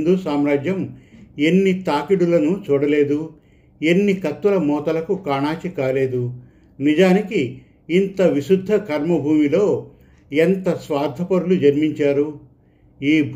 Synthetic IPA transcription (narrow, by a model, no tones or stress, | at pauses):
d̪usaːmɾaːd͡ʒjɐme̞nːit̪aːkiɽulɐnut͡ʃuːɽɐle̞ːd̪u | enːikɐt̪ːulɐmɔːt̪ɐlɐkukaːɳaːt͡ʃikaːle̞ːd̪u | nid͡ʒaːnikiː | nt̪ɐʋiʃud̪ʱːɐkʰɐɾmɐbʱuːmilo̞ː | ent̪ɐsʋaːɾd̪ʱɐpɐɾulud͡ʒɐɾmiɲt͡ʃaːɾu | iːbʱ